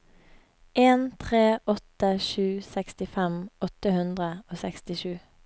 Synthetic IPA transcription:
ʔeːnt̪ʰʁeːʔɔt̪əʃʉːsɛkst̪ɪfɛmɔt̪əhʉnd̪ʁəoːsɛkst̪ɪʃʉː

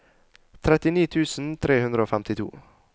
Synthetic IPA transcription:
t̪ʰɾɛt̪ɪniːt̪ʰʉːsn̩t̪ʰɾeːhʉnd̪ɾəoːfɛmt̪ɪt̪ʰṵː

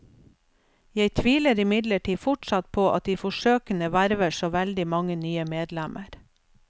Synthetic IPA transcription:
jeɪt̪ʰʋiːləɾɪmɪd̪ləʈʰiːfʊʈʃɑt̪̚pʰoːʔɑ̰t̪̚d̪iːfɔʃøːkənəʋæɾʋəʃoːʋɛld̪ɪmɑŋənyːəmeːd̪læmʔəɾ

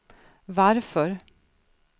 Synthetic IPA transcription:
ʋaɾfɔɾ

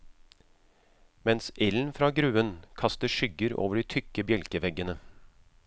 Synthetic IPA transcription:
mɛnsɛln̩fɾɑːɡɾʉːənkʰɑst̪əʂʏɡəɾo̰ːʋəɖiːt̪ʰʏkəbjɛlkəʋɛɡənə

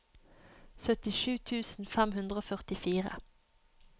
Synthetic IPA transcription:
sœt̪ɪʃʉːt̪ʰʉːsn̩fɛmhʉnd̪ʁəoːfœʁt̪ɪfiːʁə̰

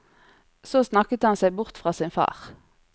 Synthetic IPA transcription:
soːsnɑkət̪əhɑnsæɪbʊʁt̪fʁɑːsɪnfɑ̰ːʁ

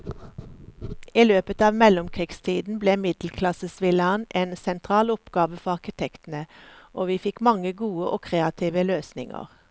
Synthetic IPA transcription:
iːløːpət̪ɑːʋmɛlʊmkʰʁiːɡst̪ʰiːd̪n̩bleːmɪd̪l̩kʰlɑsəsʋɪlɑnʔeːnsɛnt̪ʰʁɑːlʊpɡ̥ɑːʋəfɔɑʁkɪt̪ʰɛkt̪n̩əʔoːʋiːfɪkmɑŋəɡuːəʔoːkʰʁeːɑt̪ʰiːʋəløːsnɪŋə̰ʁ

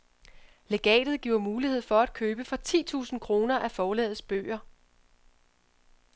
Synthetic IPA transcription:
le̝ɡ̥ɛ̰ːd̥ð̩ˠɡ̥iʊ̰ɐmuːlihe̝ð̞̰ˠfɒ̽æd̥̚kʰøːb̥əfɒ̽t͡sʰḭːt͡sʰṵːsn̩kʰʁo̝ːnɐʔæfɒːlɛ̰ːð̩ˠsb̥ø̰ːɐ

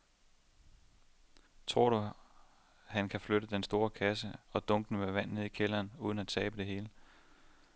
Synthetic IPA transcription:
t͡sʰʁo̝ɐ̰ɾ̥u | hænkʰæfløɾəd̥ensd̥o̝ːɐkʰæsəɒ̽d̥ɔ̽ŋɡ̥nəmeʋæn̰neðˠikʰelɐːnuːðˠn̩æt͡sʰɛːb̥əd̥e̝ɦe̝ːlə

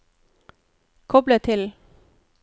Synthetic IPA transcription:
kʰɔblət̪ʰɪl

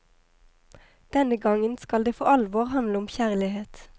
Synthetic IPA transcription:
d̪̥ɛnəɡɑŋənskɑld̪eːfo̰ɑlʋɔːʁhɑnd̪ləɔmçæʁlɪheːt̪

